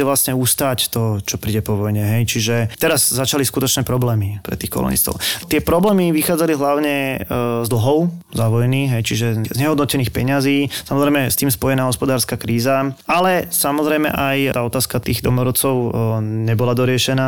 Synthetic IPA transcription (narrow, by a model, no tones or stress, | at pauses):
ɛʋlasɲɛust̪aːct̪ɔt͡ʃɔpɾiːɟɛpɔʋɔjɲɛɦɛjt͡ʃiʒɛt̪ɛɾazzat͡ʃaliskut̪ɔt͡ʃnɛpɾɔblɛːmipɾɛ̰t̪iːxkɔ̰lṵnḭst̪ɔ̰ʊt̪ɪɛpɾɔblɛːmiʋixaːd͡zaliɦlaʊɲɛzd̪l̩ɦɔʊzaʋɔjniːxɦɛjt͡ʃiʒɛzɲɛɦɔd̪nɔcɛniːxpɛɲaziːsamɔzɾɛjmɛst̪iːmspɔjɛnaːɦɔspɔd̪aːɾskakɾiːzaalɛsamɔzɾɛjmɛ̰ʔaj̪aːɔt̪aːskat̪iːɣd̪ɔmɔɾɔt͡sɔʊɲɛbɔlad̪ɔɾɪɛʃɛnaː